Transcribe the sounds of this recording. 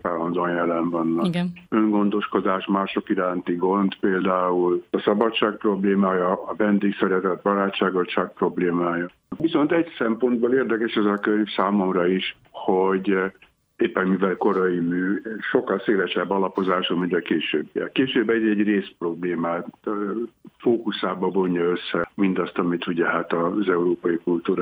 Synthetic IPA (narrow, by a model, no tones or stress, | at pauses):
taːlɒnd̪onjɛlɛɱvɒnːɒɡnøŋɡo̞nd̪o̞ʃko̞d̪aːʃmaːʃo̞kiɾaːnt̪iɡo̞nd̪peːld̪aːulɒsɒbɒtt͡ʃːaːk̚pro̞bleːmaːjɒːvɛnd̪eːksɛɾɛt̪ɛt̪̚bɒnaːtt͡ʃːaːɡo̞lt͡ʃaːk̚pro̞bleːmaːjɒ | ʋiso̞nt̪ɛɟsɛmpo̞nd̪̚boːleːrd̪ɛkɛʃɛzɒkøɾsaːmo̞mrɒiʃ | ho̞ɟ | eːpːɛnmivɛlko̞ɾɒimyːʃo̞kːɒlseːlɛʃɛbːɒlɒpo̞zaːʃomint̪ɛkeːʃøːbjɛ̰keːʃøːbːɛɟɛɟreːspro̞bleːmaː | foːkusaːbɒbo̞ɲːɒøsːɛmind̪ɒst̪ɒmit̪uɟɛɦat̪ɒzɛuɾoːpɒjikult̪uːɾa